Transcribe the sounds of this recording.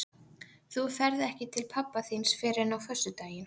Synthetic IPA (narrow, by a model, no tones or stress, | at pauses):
θuθɛɾðɛhcɪt̪ʰɪlpʰapːaθinsfɪːɾɪnawfœsːʏt̪aːjɪn